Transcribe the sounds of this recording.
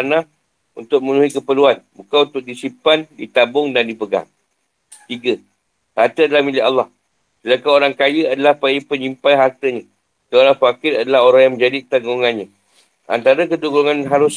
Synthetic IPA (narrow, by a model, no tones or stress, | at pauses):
anãh | unt̪ʊk̚mənũɦikəpəluanbukaunt̪ʊk̚disipandit̪abʊŋdandipəɡa̰ŋ | t̪iɡə | hart̪əadalahmilɪʔalːɑh | səlakaoɾaŋkajəadalahpajəpəɲimpajɦart̪əɲã | kaoɾaŋfakɪradalaɦoɾaŋjaŋmə̃ɲd͡ʒadit̪aŋɡuŋanɲa | a̰nt̪aɾakəduɡuŋãnɦaɾʊs